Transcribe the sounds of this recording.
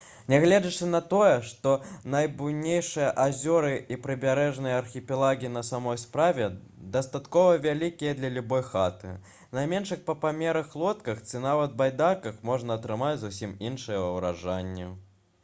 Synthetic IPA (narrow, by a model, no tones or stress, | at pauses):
nʲɛɣlʲɛd͡zɐt͡ʂɨnɐt̪ɔjɛʂt̪ɔnɐjbuwnʲejʂɨjɐʔazʲɔɾɨipɾɨbʲaɾɛʐnɨjɐɐrxʲipʲilˠaɣʲinɐsamɔjspɾavʲɛ | d̪ɐst̪at̪kɔvɐvʲalʲikʲijɐd̪lʲɐlʲubɔjxat̪ɨ̰ | nɐjmʲɛnʂɨxpɐpamʲɛɾɐxlˠɔt̪kɐxt͡sʲinavɐt̪̚bajd̪akɐxmɔʐnɐːt̪ɾɨmad͡zʲzusʲiminʂɨjɛvɐwɾa̰ʐanʲːɛ